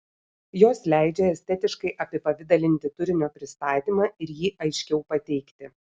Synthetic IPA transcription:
joːslʲæɪd͡ʒʲɛɛsʲt̪ʲɛt̪ʲɪʃkɐɪʔɐpʲɪpɐʋʲɪd̪ɐlʲɪnʲt̪ʲɪt̪ʊɾʲɪnʲoːpʲɾʲɪst̪ɑːt̪ʲiːmɑːɪɾjiːʔɐɪʃʲkʲɛʊpɐt̪ʲɛɪkt̪ʲɪ

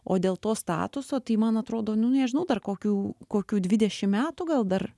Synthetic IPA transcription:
o̰ːd̪ʲeːlˠt̪oːst̪ɑ̰ːt̪ʊsoːt̪ɐɪmɐnɐt̪ɾoːd̪oːnʊnʲɛʒʲɪnɐʊd̪ɐrkoːkʲuːkoːkʲuːd̪ʲʋʲɪd̪ʲɛʃʲɪmmʲæːt̪uɡɐlˠd̪ɐr

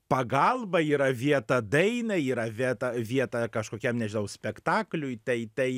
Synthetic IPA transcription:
pɐɡɐlˠbɐiːɾɐʋʲiɛt̪ɐd̪ɐɪnɐiːɾɐʋʲiɛt̪ɐʋʲiɛt̪ɐkɐʃkoːkʲɛmnʲɛʒʲɪnɐʊsʲpʲɛkt̪ɑːklʲʊjt̪ɐɪt̪ɐɪ

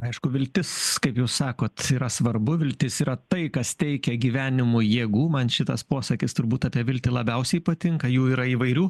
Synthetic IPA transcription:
ɐɪʃkʊʋʲɪlʲt̪ʲɪskɐɪpjɛʊssɑːkoːt̪iːɾɐsʋɐrbʊʋʲɪlʲt̪ʲɪsiːɾɐt̪ɐɪkɐst̪ʲɛɪkʲɛɡʲiːʋʲæːnʲɪmʊjeːɡuːmɐnʃʲɪt̪ɐspoːsɐkʲɪst̪ʊɾbuːt̪ɑːpʲiɛʋʲɪlʲt̪ʲɪlˠɐbʲɛʊsʲɛɪpɐt̪ʲɪŋkɐjuːiːɾɐiːʋɐɪɾʲuː

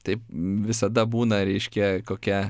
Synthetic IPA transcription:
t̪ɐɪpʋʲɪsɐd̪ɐbuːnɐɾʲɛɪʃʲkʲɛkoːkʲɛ

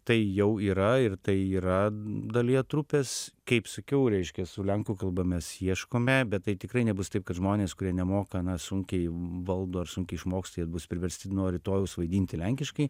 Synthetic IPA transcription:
t̪ɐɪjɛʊiːɾɐɪrt̪ɐɪiːɾɐd̪ɐlʲiɛt̪ɾʊpʲeskɐɪpsɐkʲɛʊɾʲɛɪʃʲkʲɛsʊlʲɛŋkuːkɐlˠbɐmʲɛsjiɛʃkoːmʲɛbʲɛt̪t̪ːɐɪt̪ʲɪkrɐɪnʲɛbʊst̪ɐɪp̚kɐt̪ʒmoːnʲeːskʊɾʲiɛnʲɛmoːkɐnɐsʊŋʲkʲɛɪʋɐlˠd̪oːɐrsʊŋʲkʲɛɪɪʃmoːkst̪ɐjɛt̪bʊspʲɾʲɪʋʲɛɾʲsʲt̪ʲɪnoːɾʲɪt̪oːjɛʊsʋɐɪd̪ʲiːnʲt̪ʲɪlʲɛŋʲkʲɪʃkɐɪ

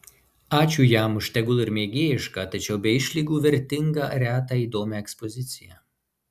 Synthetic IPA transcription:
ɑːt͡ʃʲuːjæmʊʃʲt̪ʲɛɡʊlˠɪɾmʲeːɡʲeːjɪʃkɑt̪ɐt͡ʃʲɛʊbʲɛɪʃʲlʲiːɡuːʋʲɛɾʲt̪ʲɪŋɡɑ̰ɾʲæːt̪̬ɑiːd̪oːmʲɛɛkspɔzʲɪt̪sʲɪjɛ

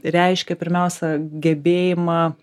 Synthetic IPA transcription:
ɾʲɛɪʃʲkʲɛpʲɪɾʲmʲɛʊsʲɛɡʲɛbʲeːjɪmɑː

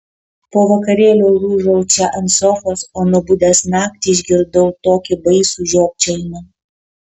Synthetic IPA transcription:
poːʋɐkɐɾʲeːlʲoːɾuːʒɐʊt͡ʃʲɛʔɐnsɔfosoːnʊbʊd̪ʲæsnɑːk̚t̪ʲiɪʒʲɡʲɪɾd̪ɐʊt̪oːkʲɪbɐɪsuːʒʲoːk̚ʲt͡ʃʲɛɪnɐ

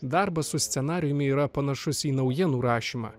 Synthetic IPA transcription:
d̪ɑˑɾbɐsʊsʲt̪sʲɛnɑːɾʲɪjʊmʲɪiːɾɐpɐnɐʃʊsiːnɐʊjiɛnuːɾɑːʃʲiːmɑ̰ː

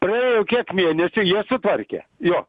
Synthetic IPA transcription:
prɐɛːjokʲiɛkmʲiɛnʲɛsʲʊjiɛsʊt̪ʋɐrʲkʲɛ̰joː

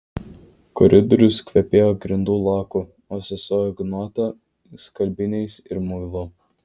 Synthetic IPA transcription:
kɔɾʲɪd̪ɔɾʲʊskʋʲɛpʲeːjoːɡɾʲɪnd̪uːlˠɑːku | oːsʲʊsoːjɔɡnɔːt̪ɐ | skɐlʲbʲɪnʲɛɪsɪɾmʊjlˠoː

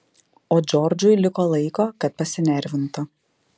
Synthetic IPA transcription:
oːd͡ʒʲɔɾd͡ʒʲʊjlʲɪkoːlˠɐɪkoːkɐt̪̚pɐsʲɪnʲɛɾʲʋʲɪnt̪ʊ

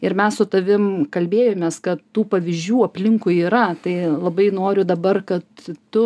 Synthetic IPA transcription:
ɪɾmʲɛssʊt̪ɐʋʲɪmkɐlʲbʲeːjoːmʲeːskɐt̪ːuːpɐʋʲɪzʲd͡ʒʲuːɐpʲlʲɪŋkʊjiːɾɐt̪ɐɪlˠɐbɐɪnoːɾʲʊd̪ɐbɐrkɐt̪tʊ

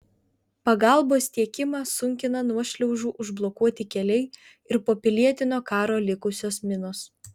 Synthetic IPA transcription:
pɐɡɑˑlˠboːst̪ʲiɛkʲɪmɑsʊŋʲkʲɪnɐnuɔʃʲlʲɛʊʒuːʔʊʒblˠokuɔt̪ʲɪkʲɛlʲɛɪ | ɪɾpoːpʲɪlʲiɛt̪ʲɪnoːkɑːɾoːlʲɪkʊsʲoːsmʲɪnoːs

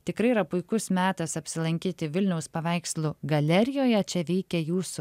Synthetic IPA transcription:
t̪ʲɪkɾɐɪiːɾɐpʊɪkʊsmʲæːt̪ɐsɐpʲsʲɪlˠɐŋʲkʲiːt̪ʲɪʋʲɪlʲnʲɛʊspɐʋʲæɪkslˠʊɡɐlʲɛɾʲɪjoːjɛt͡ʃʲɛʋʲɛɪkʲɛjuːsʊ

